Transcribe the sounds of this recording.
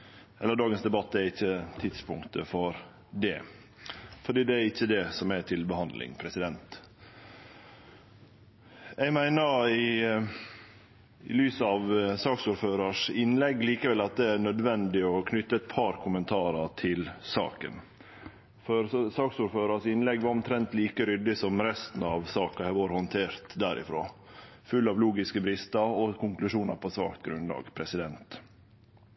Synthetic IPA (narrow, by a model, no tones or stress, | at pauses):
ɛlːəɖɑːɡənsd̪ɛbɑt̪ːɛɾɪçːət̪ʰɪt̪spʰʊ̰ŋkt̪əfɔɾ | d̪ɛ̰ | fɔɖiːd̪ɛæɾɪçːəd̪ɛsɔmɛʈ̪ʰɪlbəhɑnd̪lɪ̰ŋpʰɾɛsɪd̪ɛnt̪ | ɛɡmæɪnəɾɪ | ɪ̰lyːsəɑʋsɑːksuːɾføːɾəʂɪnlɛɡːliːkəʋɛlɑt̪̚d̪ɛæɳœd̪ʋɛnd̪ɪɔkʰnʏt̪ːəɛt̪̚pʰɑɾkʰʊmənt̪ʰɑːɾɑʈʰɪlsɑ̰ːkə̰n | fɔɾsɑːksuːɾføːɾɑʂɪnlɛɡʋɑɾɔmt̪ʰɾɛnt̪liːkəɾʏd̪ɪsɔmɾɛst̪n̩ɑʋsɑːkɑhɛʋoːɾhɔnt̪ʰeːɾt̪d̪æɾʔɪ̰fɾo̰ː | fʉlːɑʋluːɡɪskəbɾɪst̪ɑɾɔkʊŋklʉʂuːnɑɾpʰɔsʋɑ̰ːkt̪ɡɾʉnlɑ̰ːɡpʰɾɛsɪd̪ɛnt̪